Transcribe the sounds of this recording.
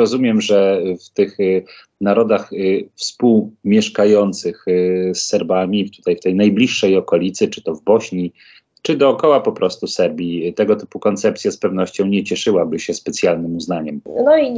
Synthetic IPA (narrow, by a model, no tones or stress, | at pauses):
ɾɔzumʲjɛmʐɛft̪ɘx | naɾɔd̪axfspuwmʲjɛʂkajɔnt̪sɘxsːɛɾbamʲit̪u̥t̪ajft̪ɛjnajblʲiʂːɛjɔkɔlʲit̪sɘt͡ʂɘ̥t̪ɔvbɔɕɲi | t͡ʂɘd̪ɔːkɔwapɔpɾɔst̪usɛɾbʲit̪ɛɡɔt̪ɘ̥pukɔnt̪sɛp̚t̪sʲjaspɛvn̪ɔɕt͡ɕɔ̃w̃ɲɛt͡ɕɛʂɘwabɘɕɛspɛt̪sʲjalnɘmuznaɲɛmnɔi